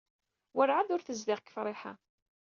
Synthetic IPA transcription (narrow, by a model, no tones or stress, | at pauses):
wəɾʕaðʊɾθəzðɪʁkːə̥fɾˤɪħa̰